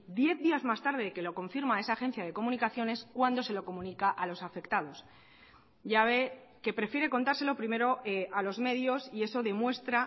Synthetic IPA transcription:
d̪je̞θðiazmast̪aɾðe̞ðeke̞lo̞ko̞ɱfiɾmae̞saːxẽ̞n̟θjað̞e̞ko̞mũnikaθjo̞ne̞skwand̪o̞se̞lo̞ko̞mũnikaʔalo̞safe̞kt̪að̞o̞s | ʝaβe̞ | ke̞pɾe̞fjeɾe̞ko̞nt̪aɾse̞lo̞pɾime̞ɾoealo̞zme̞ðjo̞sie̞so̞ðe̞mwe̞st̪ɾa

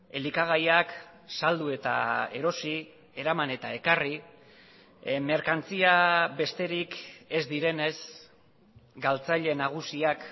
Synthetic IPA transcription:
e̞likaɣ̞ajak | sald̪ue̞t̪a̰e̞̰ɾo̞si | e̞ɾamane̞t̪ae̞kari | me̞ɾkant͡siabe̞st̪e̞ɾike̞zd̪iɾe̞ne̞s | ɡalt͡saʎe̞naɣ̞usiak

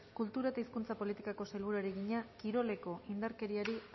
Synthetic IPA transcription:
kult̪uɾaet̪aiskunt͡sapo̞lit̪ikako̞selβuɾaeɾeɣiɲakiɾo̞le̞ko̞ʔind̪aɾke̞ɾiaɾi

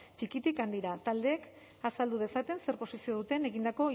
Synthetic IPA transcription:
t͡ʃikit̪ikand̪iɾat̪ald̪e̞ːk | asald̪uðe̞sat̪e̞nse̞ɾpo̞sisio̞ð̞ut̪e̞ne̞ɣind̪ako̞

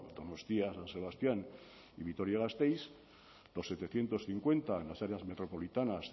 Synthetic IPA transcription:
d̪onost̪iasanse̞βast̪jan | iβit̪oɾjaɣast̪ejs | d̪o̞sːe̞t̪e̞θje̞nt̪o̞sθiŋkwe̞nt̪aenlasaɾeazme̞t̪ɾo̞po̞lit̪anas

